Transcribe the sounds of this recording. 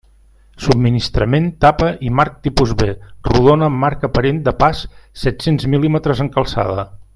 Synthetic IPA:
sub̚minist̪ɾəment̪apəʔimaɾk̚t̪ipuzβeruðonəːmːaɾkəpəɾend̪əpasːɛt̪senzmilimət̪ɾəzəŋkəlˠsa̰ð̞ə

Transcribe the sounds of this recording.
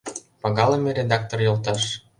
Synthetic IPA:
pɑɣɑlemĕɾʲed̪ɑk̚t̪orjolt̪ɑʃ

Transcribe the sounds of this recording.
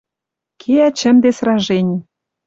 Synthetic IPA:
kʰeæt͡ɕə̆md̪esrɑʒenʲ

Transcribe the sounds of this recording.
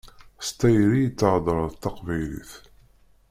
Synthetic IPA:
st̪æjɾijət͡sːʕd̪ˤɾˤəðt̪ːɑqvæjlḭθ

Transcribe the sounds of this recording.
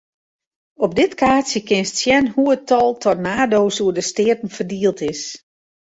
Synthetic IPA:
ɔb̚dɪtkaːsjəkɪnstsjɛnhuətɔlˠtʰɔtnaːdoːsuədəstɪːtn̩fərdiəlˠtɪs

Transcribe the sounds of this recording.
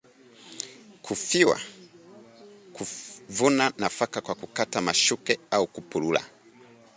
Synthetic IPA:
kʰufiwa̰ | kuvunanafakakwakukatamaʃukɛaukupulula̰

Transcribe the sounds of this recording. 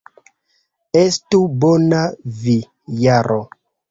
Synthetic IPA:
estubonavi | jaɾʔo

